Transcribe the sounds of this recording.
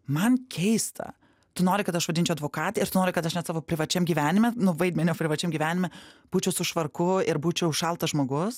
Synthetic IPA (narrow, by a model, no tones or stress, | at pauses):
mɐnkʲʰɛɪst̪ʰɐ̰ | t̪ʊnoːɾʲɪkɐt̪ɐʃʋɐd̪ʲɪnʲt͡ʃʲɛʊɐd̪ʋoːkɑːt̪eɪɾt̪ʊnoːɾʲɪkɐt̪ɐʃnʲɛt̪sɑːʋoːpʲɾʲɪʋɐt͡ʃʲɛmɡʲiːʋʲæːnʲɪmʲɛnʊʋɐɪd̪ʲmʲɛnʲoːpʲɾʲɪʋɐt͡ʃʲɛmɡʲiːʋʲæːnʲɪmʲɛb̥uːt͡ʃʲɛʊsʊʃʋɐrkʊɪɾbuːt͡ʃʲɛʊʊʃɐlˠt̪ɐʒmoːɡʊs